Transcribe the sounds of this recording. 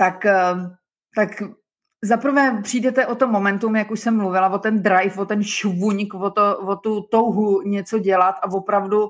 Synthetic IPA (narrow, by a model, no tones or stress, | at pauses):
t̪ak | t̪ak | zapr̩vɛːpr̥iːdɛt̪ɛʔo̞t̪omːomɛnt̪umjakuʃsɛmːluvɪlavot̪ɛnd̪ɾajfvot̪ɛnʃvuɲkvot̪ovot̪ut̪owɦuɲɛt͡so̞ɟɛlat̪ʔavo̞pɾavdu